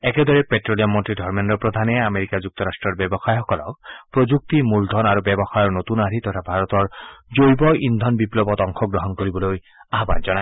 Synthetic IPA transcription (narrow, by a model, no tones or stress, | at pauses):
ɛked̪ɔɹɛpetɹoliamɔntɹidʱɔɹmendɔpɹɔd̪ʱanɛameɹikad͡ʒuk̚t̪ɔɾasʈɹɔɹbɛbɔxajxɔkɔlɔ̰k̚pɹod͡ʒuk̚t̪imuld̪ʱɔnaɹubɛbɔxajɔɹnot̪unaɾit̪ɔtʰabʱaɹɔt̪ɔɹd͡ʒojbɔind̪ʱɔnbiplɔbɔt̪ɔŋkʰɔɡɹɔɦɔnkoɹibɔloj | aɦba̰nzɔnaj